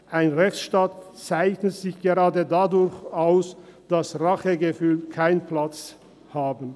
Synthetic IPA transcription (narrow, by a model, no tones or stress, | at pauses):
ʔaɪnʁɛçt͡sʃtaːt | t͡saɪçnətz̥ɪçɡ̥eʁaːdədadʊɾçaʊsd̥asʁaχəɡəfyːlkʰaɪnplat͡s | haːbn̩